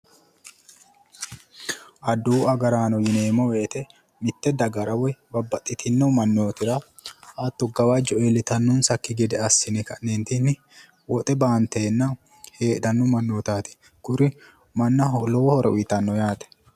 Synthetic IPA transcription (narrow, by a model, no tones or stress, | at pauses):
ʔɐd̪uːɐɡɐɾaːnɔjɪneːmɔweːt̪ɛ | mɪt̪ːɛd̪ɐɡɐɾɐwɛbɐbːɐt̪ʼːɪt̪ɪnːɔmɐnːoːt̪ɪɾɐ | ʔɐt̪ːʊɡɐwaːd͡ʒɔelɪt̪ɐnːʊnsɐkːɪɡɛd̪ɛɐsːɪnɪkɐneːnt̪inːɪ | wɔt̪ʼɛbaːnt̪eːnːɐ | he̞ːᶑ̪ɐnːɔmɐnːoːt̪aːt̪ɪ̥ | kʊɾɪ | mɐnːɐlɔwɔhɔɾɛ̰ʊɪt̪ɐnːɔjaːt̪ɛ̥